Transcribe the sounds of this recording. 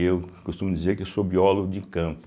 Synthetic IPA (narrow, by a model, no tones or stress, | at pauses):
ewkost̪ũmʊd̪izeɾkesobiɔlʊd̪ɪkɐ̃mpʊ